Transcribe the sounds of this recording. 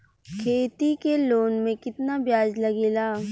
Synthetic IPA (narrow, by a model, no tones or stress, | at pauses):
kʰeːt̪ikeloːnmẽkɪt̪nabjaːd͡ʒlɐɡeːlaː